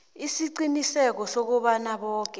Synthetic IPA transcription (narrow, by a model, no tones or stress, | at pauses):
isiǀinisɛk̬ɔsok̬uɓanaɓɔːk̬ʼɛ